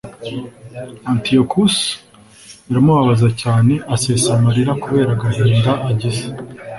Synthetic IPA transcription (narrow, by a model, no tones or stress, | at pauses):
antiokʰus | iɾamuβaβazacaːne̞ʔaseːsamaɾiɾakuβe̞ːɾaɡaɦeːndaʔaɟize̥